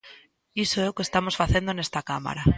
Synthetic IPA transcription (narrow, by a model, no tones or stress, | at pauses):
isoewkest̪amosfaθje̞nd̪onest̪akama̰ɾa